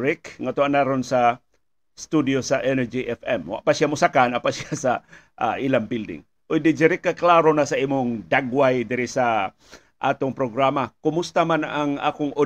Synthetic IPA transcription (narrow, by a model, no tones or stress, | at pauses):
ɾɪkŋat̪oanaɾonsa | st̪ud̪josaʔɛnɛd͡ʒiʔɛfɛmwa̰ʔpasjamʊsakanapasjasa | ʔʔilaŋbild̪ɪ̰ŋ | ʔʊjd̪ɪd͡ʒɪɾɪkːaklaɾonasaiːmʊŋd̪aɡwajd̪ɪɾɪsa | ʔa̰ːt̪ʊŋpɾoɡɾamakʊmʊst̪amanʔaŋa̰ːkʊŋʔʊ